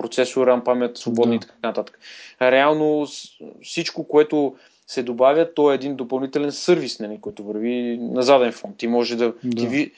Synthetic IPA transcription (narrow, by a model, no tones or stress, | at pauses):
pɾot̪sɛsʊɾampamɛt̪svobɔd̪nit̪ɐanɐt̪at̪ə̥kə̥ɾɛalˠno | fsit͡ʃkokoɛt̪ʊ | sɛd̪obavjət̪ɔɛːd̪ind̪opɐlˠnit̪ɛlɛnsɤɾvisnɐlʲikɔjt̪ʊvɐɾvinɐzad̪ɛnfɔnt̪ːimɔʒɛd̪ɐd̪ivi